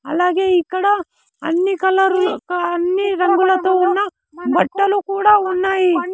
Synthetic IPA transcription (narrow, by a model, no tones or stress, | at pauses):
ɐ̰lːaːɡeiːkɐɽɐ | ɐnːikɐlɐɾukɐnːiɾɐŋɡulɐt̪ɐʋɐnːɐ | bɐʈːɐlukuːɽɐunːaːji